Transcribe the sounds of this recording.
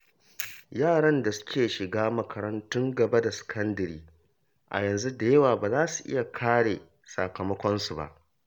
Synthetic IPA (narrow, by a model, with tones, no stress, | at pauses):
jaː˦˨ɽɐ˦nda˨sʊ̥˦kʲeː˨ʃɪ˨ɡaː˦mɐ˨kʰɐ˨ɾɐ˦ntʊ˦ŋɡɐ˨ba˦da˨sɪ̥˨kʰɐ˦ndɐ˨ɾiː˦ | ʔa̰˨jɐ˨nzu˦da˨jɐ˦waː˨baː˨zaː˦su˨ʔɪ̰˦ja˨kʰaː˦ɽeː˨ | sa̰˨kɐ˨mɐ˦kʷɔ˦nsu˨ba̰˦ʔ